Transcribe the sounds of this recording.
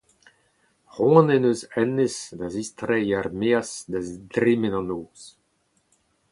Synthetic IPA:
ʁwɔ̃nɛnøzɛnesd̪azist̪ɾɛjarmeasd̪azidɾemɛnɑ̃noːz̥

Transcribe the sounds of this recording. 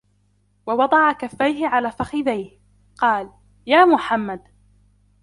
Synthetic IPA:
wɑwɑd̪ˤɑʕakafːajɦɪʕalaːfaxɪðajh | qɑːl | jaːmʊħamːad̪

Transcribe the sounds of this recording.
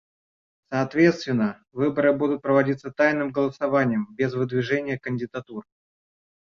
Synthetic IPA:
sɐːt̪vʲe̞t̪st̪vʲɪnːə | vɨbəɾɨbud̪ʊt̪̚pɾəvɐdʲit̪sət̪ajnɨmɡəlˠəsɐvanʲɪjəmbʲɪzvɨd̪vʲɪʐɛnʲɪjəkənʲdʲɪd̪at̪ur

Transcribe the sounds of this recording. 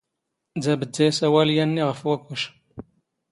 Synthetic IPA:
d͡zæbədːæjsæwæljænːiʁəfwækʷːuʃ

